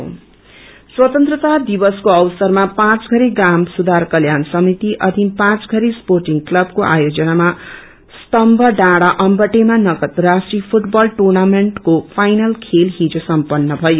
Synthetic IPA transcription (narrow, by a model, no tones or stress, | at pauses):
swʌt̪ʌnt̪rʌt̪ad̪ibʌskoʌwsʌrmapãt͡sɡʱʌɾeɡamsud̪ʱarkʌljansʌmit̪iʔʌd̪ʱinpãt͡sɡʱʌɾisporʈiŋɡklʌbkoʔa̰jod͡zʌnama | st̪ʌmbʱʌɖãɽaʔʌmbʌʈemanʌkʌt̪rasʈripʰuʈbʌlʈornameɳʈkopʰajnʌlkʰelɦid͡zosʌmpʌnːʌbʱʌjo